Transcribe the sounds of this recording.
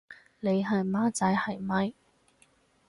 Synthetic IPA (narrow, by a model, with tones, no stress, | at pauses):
le˨˧jɦɐ˨˩jmaː˥t͡sɐ˧jhɐ˨˩jmɐ˧j